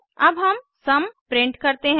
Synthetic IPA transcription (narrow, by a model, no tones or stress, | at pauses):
ɐbɦɐm | sɐmpɾɪ̃ɳʈkɐɾt̪eɦ